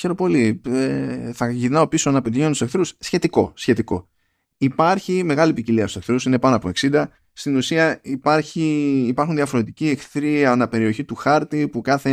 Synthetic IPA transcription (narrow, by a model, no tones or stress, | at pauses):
çe̞ɾo̞po̞lieθɐʝinɐo̞pisonɐpet̪içeunt̪usekθɾussçe̞t̪iko̞̰sçe̞t̪iko̞̰ | ipɐɾçime̞ɣɐlipiciliɐst̪use̞kθɾusine̞pɐnoɐpo̞e̞ksind̪ɐ | st̪inusiɐipɐɾçiːpɐɾxunðiɐfo̞ɾe̞t̪icie̞kθɾiɐonɐpe̞ɾio̞çit̪uxɐɾt̪ipukɐθe̞